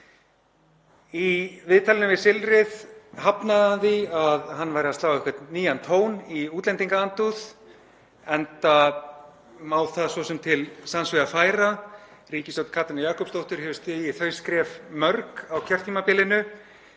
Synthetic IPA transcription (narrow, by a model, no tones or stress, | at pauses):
ivɪðt̪ʰalɪnʏvɪsɪlɾɪðhapnaðaðiaðɦanːvajɾɪast̪aːwɛhkvɛt̪niːjant̪ʰoːwniuːt̪lɛnt̪iŋkaant̪uθ | ɛnt̪a | maːwθaðsvɔsɛmt̪ʰɪlsansvɪafaːjɾa | riːcɪst̪owt̪kʰaːt̪anjaːhkɔpst̪owht̪ʏɾ̥hɛvʏst̪ɪðjɪθœːɥskɾɛːfmœɾkawcʰɛr̥t̪ʰːimapɪːlɪnʏ